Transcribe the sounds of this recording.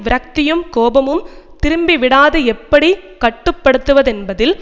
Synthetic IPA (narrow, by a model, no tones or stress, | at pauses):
ʋɪɾɐk̚t̪ɪjɯmkoːbɐmɯmt̪ɪɾɯmbiʋɪɽaːðɯɛpːɐɽikɐʈːɯpːɐɽɯt̪ːɯʋɐðɛnbɐðɪl